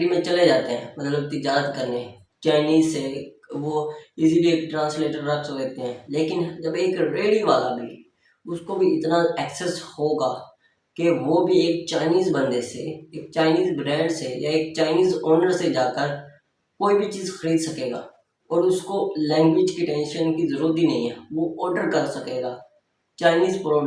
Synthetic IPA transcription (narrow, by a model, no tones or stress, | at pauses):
ɽimẽt͡ʃɐled͡ʒaːt̪eɦɛ̰̃ːmɐt̪ləb̚t̪ɪd͡ʒaːɾət̪kəɾneɛ̃ | t͡ʃaːɪniːzse | ʋoɪsibʱieːk̚ʈɾãːnsleːʈəɾːɐksɦoːd̪eːt̪eɦɛ̃ːleːkɪnd͡ʒəbeːkɾeːɽiʋaːla̰bʱi | ʊskobʱiɪt̪naɛksɛshoːɡaː | keʋoːbʱieːk̚t͡ʃaːɪniːzbə̃nd̪eseeːk̚t͡ʃaːɪniːzbɾɛ̃ːɳɖsejaeːk̚t͡ʃaːɪniːzoːnəɾsed͡ʒaːkəɾ | koːibʱit͡ʃiːzxəɾiːd̪sɐkeːɡa̰ː | ɔːɾʊskolɛ̃ːŋɡʋɪd͡ʒkiʈɛ̃ːnʃənkizəɾuːɾət̪̬inɐ̰ɦĩɦɛːʋoɔːɾɖəɾkəɾsɐkeːɡaː | t͡ʃaːɪniːzpɾoː